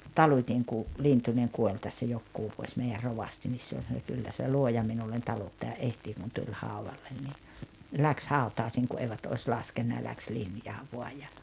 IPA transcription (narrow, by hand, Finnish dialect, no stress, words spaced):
tɑlutʲiŋ ku lintuneŋ kuolʲ tæsːæ jokːuː ʋuosʲ meiær roʋɑsti nis se olʲ sɑno kylːæ se luojɑ minulːen tɑlutːɑjɑ ʔehtiː kun tulʲ hɑˑuʋɑlːen ni læks hɑˑutɑːĭsiːŋ ku eiʋæt ois lɑskenːɑ jɑ læks linjɑː ʋoɑj jɑ